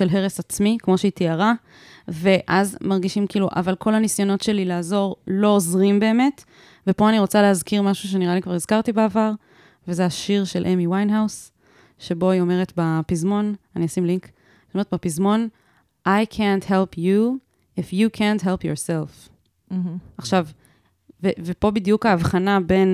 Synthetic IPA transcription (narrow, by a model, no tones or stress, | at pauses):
ʃe̞lɦe̞ʁesat͡smikmo̞ʃeitiaʁa | ve̞ʔazmaʁɡiʃimkiːluʔa̰valkʰo̞lanisjo̞no̞tʃe̞lilaːzo̞ʁlo̞ːzʁimbe̞ːme̞t | vepo̞aniʁo̞t͡saleazkiʁmaʃuʃ̬e̞niʁalikvaʁiz̥kaʁtibeavaʁ | vezeaʃiʁʃelʔemiwajnɦaws | ʃebo̞io̞me̞ʁetbapizmo̞naniasimliŋk | omeetbapizmo̞n | ʔajkʰɛntɦelpʰju | ifjukʰɛntɦelpjoʁself̩ | ʔaχʃav | vevepo̞bidjukaːvχanabe̞n